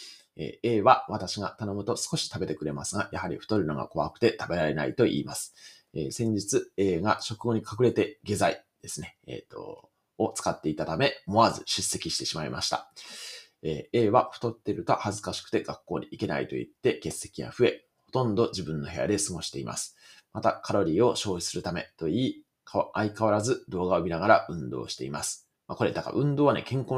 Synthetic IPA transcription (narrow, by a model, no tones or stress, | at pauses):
ḛːe̞ːβaβat̪aɕiɡat̪ano̞mɯ̟t̪o̞sɨ̥ko̞ɕi̥t̪abe̞t̪e̞kɯ̟ɾe̞masɨɡajahaɾʲḭɸɯ̟̥t̪oɾʲɯnoɡa̰ko̞βa̰kɯ̟̥t̪e̞t̪abe̞ɾaɾe̞na̰it̪o̞ʔḭːmasɨ̥ | eːsẽ̞ɲ̟d͡ʑit͡sɨe̞ːɡaɕo̞kɯɡo̞ɲ̟ikʰakɯ̟ɾe̞t̪e̞ɡe̞zaid̪̥e̞sɨne̞ḛːt̪ːo̞̰ː | t͡sɨ̥kat̪ːe̞it̪at̪ame̞mo̞azɨɕɨsːe̞kʲiɕi̥t̪e̞ɕimaima̰ɕi̥t̪a̰ | eːe̞ːβaɸɯ̟̥t̪o̞t̪ːe̞ɾɯ̟t̪ohazɨkaɕi̥kɯ̟̥t̪e̞ɡ̥akːo̞ːɲ̟iike̞na̰ḭt̪o̞̰ḭt̪ːe̞ke̞sːe̞kʲiβa̰ɸɯ̟e̞ | ho̞t̪õ̞nd̪o̞ʑibɯ̟̃nːo̞ɦe̞ja̰d̪e̞sɨɡo̞ɕi̥t̪e̞imʔa̰sɨ̥ | mat̪akʰaɾo̞ɾʲiːo̞ɕo̞ːi̥sɨɾɯ̟t̪ame̞̰t̪o̞iː | kʰaaikaβaɾazɨd̪o̞ːɡaomʲinaɡaɾaʔɯ̟̃nd̪o̞̰ːɕi̥t̪e̞imasɨ̥ | mako̞ɾe̞d̪aka̰ʔɯ̟̃nd̪o̞ːβane̞̰kẽ̞ŋkõ̞